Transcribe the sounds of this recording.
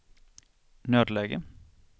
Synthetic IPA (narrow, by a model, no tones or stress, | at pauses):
nøːd̪leːɡə̰